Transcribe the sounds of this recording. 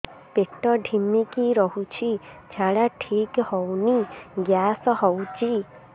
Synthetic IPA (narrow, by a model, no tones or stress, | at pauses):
peʈɔɖʱimikiɾɔɦut͡ʃʰid͡ʒʰʱaɽaʈʰikhowniɡjasɔhɔwt͡ʃʰi